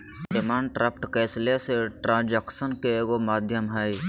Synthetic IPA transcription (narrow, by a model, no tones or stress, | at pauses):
ɪmaːɳɖʈɾʔəpʰʈkɛːsleseʈɾãːnd͡ʒəksənkeɡomaːd̪ʱjəmɦai